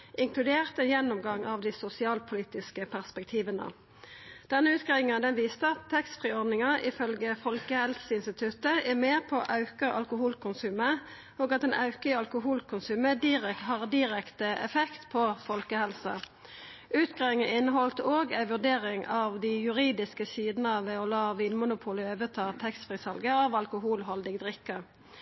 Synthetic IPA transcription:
ɪŋkʰlʉd̪eːʁt̪əjɛnːʊmɡɑŋɑʋd̪ɪsʊsɪɑːlpʰʊliːt̪ɪskəpʰæʁspɛk̚t̪ʰiːʋənə̰ | d̪̥ɛnːəʉːt̪ɡʁɛʋɪŋɑd̪ɛnʋiːst̪əɑt̪ʰːɛkst̪fʁiːɔʁd̪nɪŋɑʔɪfœlɡəfɔlkəhɛlsəɪnst̪ɪt̪ʰʉt̪əʔɛmeːʁpʰɔʔɑʉkəʁʔɑ̰lkʊhuːlkʊnsʉːmə | oːɡɑt̪ɛːnʔɑʉkəəɑlkʊɦuːlkʰʊnsʉːməd̪iʁɛhɑːʁd̪ɪʁɛkt̪əɛ̰fɛkt̪pʰɔfɔlkəhɛlsɑ | ʔʉːt̪ɡʁɑɪŋəɪnːəɦɔlt̪əoːɡæɪʋʉʁd̪eːʁɪŋɑʋd̪ɪjʉʁiːd̪ɪskəsiːd̪nəɑʋɛɔlɑːʋiːnmʊnʊpʰuːləøːʋət̪ʰɑːt̪ʰɛkst̪fʁiːsɑlɡəɑʋɑlkʊɦuːlɦɔld̪ɪɡd̪ʁɪkːə

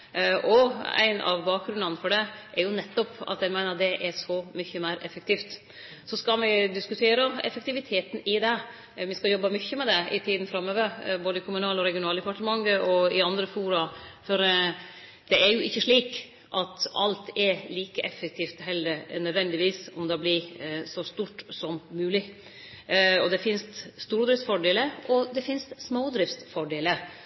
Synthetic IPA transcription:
ʔɔæ̰ɪnɑ̰ʋbɑːk̚ɡɾʉnɑnfɔɖɛʔɛɾjʊnɛt̪ːɔpɑ̰t̪jæmæɪnəɾd̪ɛʔɛʂɔmʏçːəmæɪɾʔɛfək̚t̪ʰiːft̪ | sɔskɑlʋɪd̪ɪskʉt̪ʰeːɾəɛ̰fək̚t̪ɪʋɪt̪ʰeːt̪n̩ɪd̪ɛ | ʋɪskɑjɔbːɑmʏçːəmɛd̪ɛɪ̰t̪ʰiːd̪n̩fɾɑmːøːʋəɾboːd̪əɪkʰʊmʉnɑːlɔɾɛɡɪʊnɑːld̪əpɑʈəmɑŋːəʔɔɪɑnd̪ɾəfuːɾɑfɔɾ | d̪̥ɛæɾjʊʔɪçːəʂɭiːk | ʔɑt̪ɑ̰lt̪ɛɾliːkəʔɛfːək̚t̪ʰiːft̪hɛlːəɾnœd̪ʋɛnd̪ɪʋiːsɔmd̪ɑblɪsɔst̪uːʈsɔmːʉːlɪ | ɔd̪ɛfɪnst̪st̪uːɾd̪ɾɪftsfɔɖeːləʔɔd̪ɛfɪnst̪smoːd̪ɾɪftt̪fɔɖeːləɾ

